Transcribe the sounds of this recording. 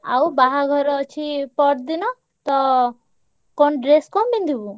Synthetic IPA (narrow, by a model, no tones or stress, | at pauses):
a̰wbaɦaɡʱɔɾɔt͡ʃʰipɔʈd̪inɔ | t̪ɔ | kɔnɖɾeskɔmbind̪ʱibu